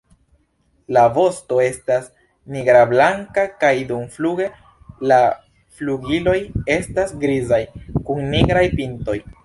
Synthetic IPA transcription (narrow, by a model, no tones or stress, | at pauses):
lavo̞sto̞e̞stas | niɡɾablaŋkakajdumfluɡe̞ | la | fluɡilo̞je̞stasɡɾizajkunːiɡɾajpinto̞j